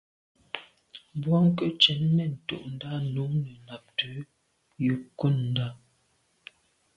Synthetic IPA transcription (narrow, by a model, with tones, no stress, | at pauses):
bwɔ˦ŋ˦kə˦t͡ʃɛ˨˦nː˦ɛ˦˨n̩˨to̰˨ʔn̩˦da˦nu˨˦nə˨na˨p̚tə˨˦ | jə˦ku˦˨nn̩˨da˦